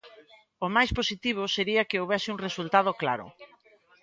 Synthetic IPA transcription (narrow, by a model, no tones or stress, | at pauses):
ʊmajsposit̪iβ̞ʊseɾiɐkɪowβɛsɪuŋresult̪að̞ʊkla̰ɾʊ̰